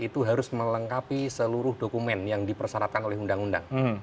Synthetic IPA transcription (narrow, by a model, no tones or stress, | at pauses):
it̪uɦaɾʊsmələŋkapisəluɾʊhdokumɛnjaŋdipərsaɾat̪̚kanolɛɦundaŋunda̰ŋ̩